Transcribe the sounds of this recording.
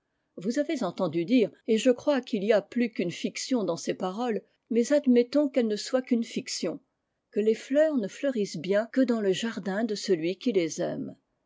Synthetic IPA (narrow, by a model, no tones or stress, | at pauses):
vuzavezɑ̃t̪ɑ̃d̪yd̪iːʁeʒəkχwakiliaplykynfiksjɔ̃d̪ɑ̃sepaʁɔl | mɛzad̪mɛt̪ɔ̃kɛlnəswakynfiksjɔ̃ | kəleflœːʁnəflœʁisbjɛ̃kəd̪ɑ̃ləʒaʁd̪ɛ̃d̪əsəlɥikʲilezɛ̰m